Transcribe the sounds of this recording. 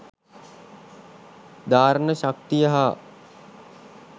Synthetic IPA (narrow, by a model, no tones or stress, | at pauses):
d̪aːɾənəɕak̚t̪ijəɦa